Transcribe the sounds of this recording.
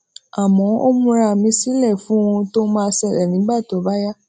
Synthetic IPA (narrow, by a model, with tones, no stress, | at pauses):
a˨mɔ̃˨˦o˦mũ˧ɾa˧˨mĩ˧˦si˦lɛ˦˨fũ˨˦w̃ũ˧to˦mãː˦˧˦sɛ˧˨ɾɛ˨nĩ˨˦ɡ͡ba˦˨to˨˦˨ba˦ja˦